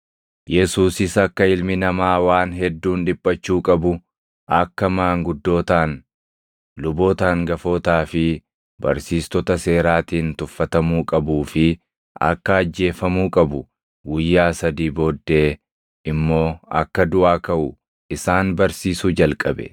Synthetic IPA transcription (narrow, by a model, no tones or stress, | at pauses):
jɛsuːsɪsɐkːɐɪlmɪnɐmaːwaːnɦɛd̪ːuːnᶑ̪ɪbʼːɐt͡ʃːuːkʼɐbʊ | ʔɐkːɐmaːŋɡʊd̪ːo̞ːt̪aːn | lʊbo̞ːt̪aːŋɡɐfo̞ːt̪aːfɪ | bɐ̰ɾsiːst̪ɔt̪ɐse̞ːɾaːt̪iːnt̪ʊfːɐt̪ɐmuːkʼɐbuːfɪ | ɐ̰kːɐːd͡ʒːe̞ːfɐmuːkʼɐbʊ | ɡʊjːaːsɐd̪iːbo̞ːd̪ːe̞ː | ɪmːo̞ːɐ̰kːɐd̪ʊʔaːkɐʔʊ | ʔɪsaːnbɐɾsiːsud͡ʒɐlkʼɐbɛ̰